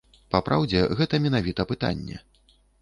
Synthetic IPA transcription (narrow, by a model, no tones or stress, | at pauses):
papɾʔawd͡zʲɛɣɛt̪ɐmʲɛnavʲit̪ɐpɨt̪a̰nʲːɛ̰